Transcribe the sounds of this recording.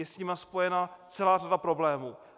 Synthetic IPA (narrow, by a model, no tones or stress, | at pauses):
ɛsɲiːmaspo̞jɛnat͡sɛlaːradapɾo̞blɛːmuː